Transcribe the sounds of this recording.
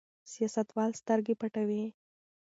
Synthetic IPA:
sijɑsat̪wɑlst̪əɾɡepaʈawi

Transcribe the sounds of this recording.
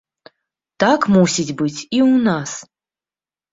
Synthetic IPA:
t̪akmusʲit͡sʲbɨt͡sʲiunas

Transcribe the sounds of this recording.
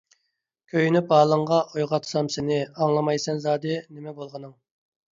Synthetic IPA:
kʲʰøjynyp̚bɑːlˠəɴʁɑojʁɑt̪ʰsɑmsɪnɪɑŋlˠɑmɑjsɛnzɑːd̪ɨnɪmɛbolˠʁənɨŋ

